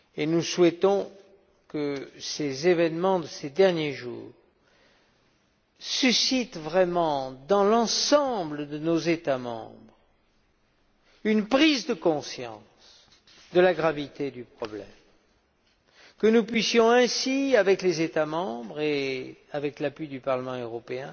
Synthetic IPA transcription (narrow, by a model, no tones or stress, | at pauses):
enuswɛt̪ɔ̃ | kəsezevɛnmɑ̃d̪əsed̪ɛʁnjeʒṵːʁ | sysit̪vʁɛmɑ̃d̪ɑ̃lɑ̃sɑ̃bləd̪ənozet̪amɑ̰̃bʁ | ynpχizd̪əkɔ̃sjɑ̰̃ | s | d̪əlaɡʁavit̪ed̪ypχɔblɛ̰m | kənupɥisjɔ̃ɛ̃siavɛklezet̪amɑ̃bʁeavɛklapɥid̪ypaʁləmɑ̃øʁɔpeɛ̃